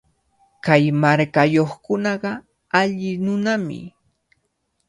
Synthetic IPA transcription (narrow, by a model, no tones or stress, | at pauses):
kajmaɾkajoχkʊnɑɢɑ | aʎɪnʊnamɪ̰